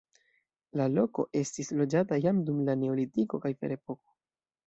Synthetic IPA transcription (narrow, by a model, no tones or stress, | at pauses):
lalo̞ko̞̰ʔe̞stislo̞d͡ʒatajamdumlane̞o̞litiko̞kajfe̞̰ɾe̞po̞ko̞̥